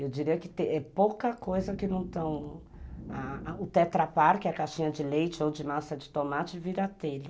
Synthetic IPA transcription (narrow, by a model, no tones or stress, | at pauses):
ewd͡ʒiɾiɐkɪt̪ẽɛpowkɐkojzɐkɪnɐ̃w̃t̪ɐ̃w̃ | aʊt̪ɛt̪ɾapaɾkɪɛɐkaʃĩɲɐd͡ʒɪlejt͡ʃɪowd͡ʒɪmasɐd͡ʒɪt̪omat͡ʃɪviɾɐt̪elɪ